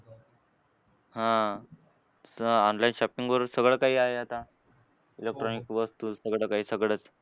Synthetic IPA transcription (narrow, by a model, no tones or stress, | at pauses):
hã | sɔnlainɕɔpiŋɡʋəɾsəɡɭəːkaɦiːaɦeat̪a | ilek̚ʈɾɔnikʋəst̪usəɡɭəːkaɦiːsəɡɭət͡s